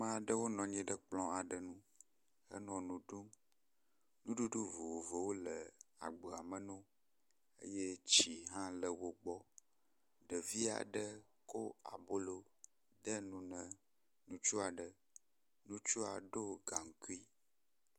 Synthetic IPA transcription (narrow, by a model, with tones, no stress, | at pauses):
mã˦˨ɖə˦wo˦nɔ̃˨ɲĩ˦ɖə˦k͡plɔ̃˦a˨ɖə˨nũ˦ | hə̰˦nɔ̃˨nũ˨ɖu˦m | nũ˦ɖu˦ɖu˦vo˨wo˨vo˨wo˦lə˨a̰˨ɡ͡bo˨a˨mə˨nũ˦ | ə̰˦je˦t͡ɕi˨ɦã˦lə˨wo˨ɡ͡bɔ˦ | ɖə˨vi˦a̰˨ɖə˦ | ko˦a̰˨bo˦lo˦ | ɖə˦nũ˦nə̃˨ | nũ˦t͡ʃu˦a˨ɖə˨ | nũ˦t͡ʃu˦a˨ɖo˦ɡa˨ŋ̩˨ku˦i˦